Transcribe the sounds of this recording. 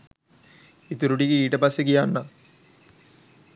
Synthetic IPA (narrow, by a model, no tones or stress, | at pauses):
it̪uɾuɖiɡiiːʈəpasːekijanːa